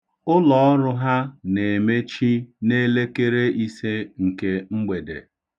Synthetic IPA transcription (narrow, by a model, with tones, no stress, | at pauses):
ʊ˦lɔ˨ɔ˦ɾʊ˦ɦa˦ne˨me˦t͡ʃi˦ne˦le˦ke˦ɾe˦i˦se˦ŋ̩˨ke˦ŋ͡m̩˦ɡ͡be˨dḛ˨